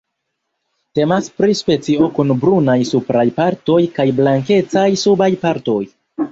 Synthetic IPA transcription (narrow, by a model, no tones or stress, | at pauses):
te̞maspɾispe̞t͡sio̞kunbɾunajsupɾajpaɾto̞jkajblaŋke̞t͡sajsubajpaɾto̞j